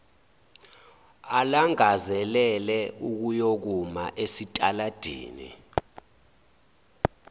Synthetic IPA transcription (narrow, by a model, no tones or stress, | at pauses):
alaŋazɛlɛlɛuk̬ujok̬umaʔesitʼalad̥ʱḭːnḭ